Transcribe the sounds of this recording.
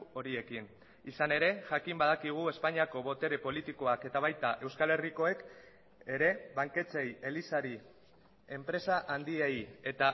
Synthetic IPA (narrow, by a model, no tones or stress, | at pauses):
o̞ɾie̞kin | isane̞ɾe̞ʝakimbað̞akiɣ̞ue̞spaɲiako̞βo̞t̪e̞ɾe̞po̞lit̪iko̞ake̞t̪aβ̞ajt̪aʔe̞wskale̞riko̞e̞k | e̞ɾe̞βaŋke̞t͡se̞je̞lisaɾi | e̞mpɾe̞saʔand̪ieje̞t̪a